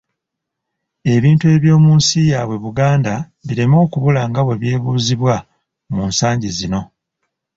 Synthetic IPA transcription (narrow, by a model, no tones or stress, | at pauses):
e̞βiːntue̞ːβjo̞ːmuːnsijaːβwe̞βuɡaːnda | βiɾe̞mo̞ːkuβulaŋɡaβwe̞βje̞ːβuːziβwa | muːnsaːɲɟizino̞